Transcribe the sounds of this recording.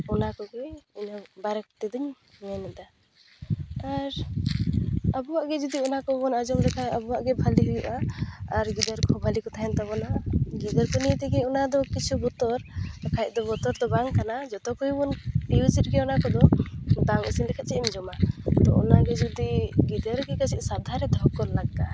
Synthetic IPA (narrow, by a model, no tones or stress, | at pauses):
ɔnakɔɡɛjiɲɔbaɾɛk̚t̪ɛd̪ɔɲ | mɛnɛd̪a | aɾ | abuwaʔɡɛd͡ʒɔd̪iɔnakɔbɔnad͡ʒɔmlɛkʰaabuwaʔɡɛbʱaliɦujuʔaːɾɡid̪əɾkʰɔbʱalikɔt̪ʰaɦɛnt̪aβɔnaɡid̪əɾkɔnijɛt̪ɛɡɛɔnad̪ɔkit͡ʃʰubɔt̪ɔɾakʰajʔ̚ˀd̪ɔbɔt̪ɔɾd̪ɔbaŋkanad͡ʒɔt̪ɔkuubɔniusiʈ̚ɡɛɔnakɔd̪ɔbaŋḭsinlɛkʰat͡ʃʰɛimd͡ʒɔmat̪ɔ̰ɔ̰naɡɛd͡ʒɔd̪iɡid̪əɾɡɛkasʰiʔ̚sad̪ʱaɾɛd̪ɔɦɔkːɔllaɡːa